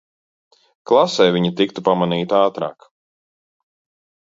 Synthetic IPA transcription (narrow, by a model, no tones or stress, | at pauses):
klˠasɛjviɲit̪ik̚t̪upamaniːt̪aːt̪ɾa̰ːk